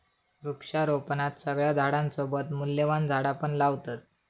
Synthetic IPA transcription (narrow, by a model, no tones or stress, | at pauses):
ɾukʂaɾopnat̪səɡɭjad̪ʱaɽãnsobət̪mulːjeʋand͡zʱaɽapəɳlaʋt̪at̪̚